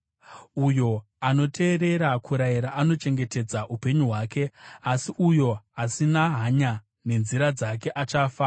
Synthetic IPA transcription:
ujo̞ | ano̞te̞ːɾe̞ɾakuɾajiɾaʔano̞t͡ʃe̞ŋɡe̞te̞d͡zaʔupe̞ɲuɦwaːke̞asiʔujo̞asinaɦaɲa | ne̞nziɾad͡zak̬e̞ʔat͡ʃaːfa

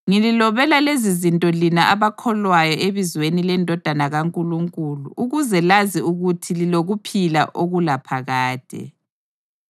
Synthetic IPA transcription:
ŋililɔβɛlalezizintʼɔlinaʔaβakʰɔlwajɔʔeβizwenilɛndʱɔd̥ʱanaɣaŋkʼuluŋkʼulṵʔuɣuzɛlaziuɣutʰililoɣupʰila̰ʔoɣulapʰaɣaːd̥ʱɛ̰

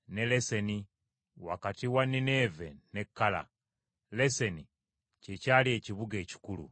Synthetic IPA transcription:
nelese̞ni | wa̰katiwaninevenekːala̰ | leseni | cecaːlie̞ːciβuɡeːci̥kulṵ

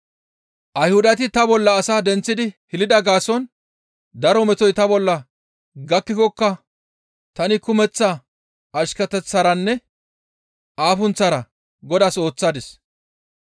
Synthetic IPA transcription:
ʔɐjhʊd̪ɐt̪̬ɪt̪ɐbɔlːɐːsaːd̪ɛnt͡sːɪd̪ɪhɪlɪd̪ɐɡaːsɔn | d̪ɐɾɔmɛt̪ɔjt̪ɐbɔlːɐ | ɡɐkːɪkɔkːɐ | t̪ɐnɪkʊmɛt͡sːa | ʔɐʃkɐt̪ɛt͡sːɐːɾɐnːɛ | ʔaːfʊnt͡sːɐɾɐ | ɡɔd̪aso̞ːt͡sːaːd̪ɪs

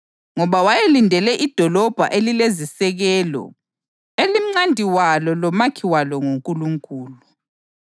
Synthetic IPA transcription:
ŋɔβawajelindʱɛlɛʔid̥ʱɔlɔb̥ʱa̰ʔelilezisɛɣɛːlɔ̰ | elim̩ŋ͡ǀandʱiwalɔlɔmakʰiwalɔŋoŋkʼuluŋkʼuːlu

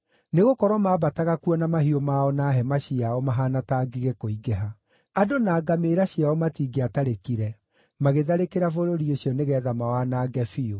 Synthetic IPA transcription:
neɣokɔɾwɔmaːbataɣakuɔnamaɦiomaɔnaɦɛmaɕiaɔmaɦaːnataːɡiɣɛkoiɡɛɦa | adonaːɡameːɾaɕiaɔmatiːɡeataɾekiɾɛ | maɣeðaɾekeɾafoɾoɾioɕjɔneɣɛːðamawanaːɡɛfio

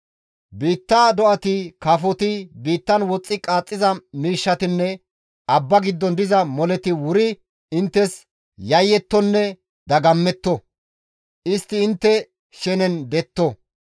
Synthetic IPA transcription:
biːt̪ːaːd̪ɔʔɐt̪ɪkafɔt̪ɪbiːt̪ːɐnwɔt͡sʼːɪkʼaːt͡sʼːɪzɐmiːʃːɐt̪ɪnːɛ | ʔɐbːɐɡɪd̪ːɔnd̪ɪzɐmɔlɛt̪ɪwʊɾɪ | ɪnt̪ːɛs | jɐjːɛt̪ːɔnːɛ | d̪ɐɡɐmːɛt̪ːɔ | ʔɪst̪ːɪɪnt̪ːɛ | ʃɛnɛnd̪ɛt̪ːɔ

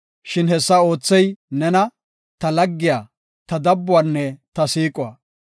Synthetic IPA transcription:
ʃɪnhɛsːɐo̞ːt͡sːɛjnɛnɐ | t̪ɐlɐɡːɪjaː | t̪ɐd̪ɐbːʊwanːɛt̪ɐsiːkʼʊwɐː

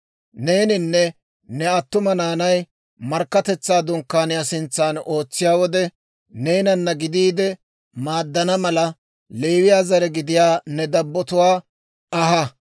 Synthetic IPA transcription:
ne̞ːnɪnːɛ | nɛɐt̪ːʊmɐnaːnɐj | mɐɾkːɐt̪ɛt͡sːaːd̪ʊŋkːaːnɪjasɪnt͡sːaːno̞ːt͡sːɪjaːwɔd̪ɛ | ne̞ːnɐnːɐɡɪd̪iːd̪ɛ | maːd̪ːɐnɐmɐlɐ | leːwɪjaːzɐɾɛɡɪd̪ɪjaːnɛd̪ɐbːɔt̪ʊwaː | ɐɦɐ

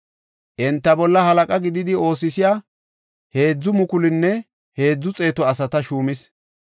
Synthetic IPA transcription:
ʔɛnt̪ːɐbɔlːɐhɐlɐkʼɐɡɪd̪ɪd̪ɪo̞ːsɪsɪjaː | he̞ːd͡zːʊmʊkʊlɪnːɛ | he̞ːd͡zːʊt͡sʼe̞ːt̪ɔɐsɐt̪ɐʃuːmɪs

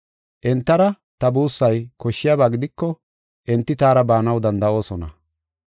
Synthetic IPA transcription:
ʔɛnt̪ːɐɾɐ | t̪ɐbuːsːɐjkɔʃːɪjaːbaːɡɪd̪ɪkːɔ | ʔɛnt̪ːɪt̪aːɾɐbaːnɐwd̪ɐnd̪ɐʔo̞ːsɔnɐ

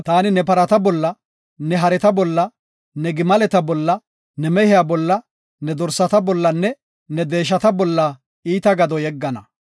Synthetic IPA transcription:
t̪aːnɪnɛpɐɾɐt̪ɐbɔlːɐ | nɛɦɐɾɛt̪ɐbɔlːɐ | nɛɡɪmɐlɛt̪ɐbɔlːɐ | nɛmɛhɪjabɔlːɐ | nɛd̪ɔɾsɐt̪ɐbɔlːɐnːɛ | nɛd̪e̞ːʃ̬ɐt̪ɐbɔlːɐ | iːt̪ɐɡɐd̪ɔjɛɡːɐnɐ

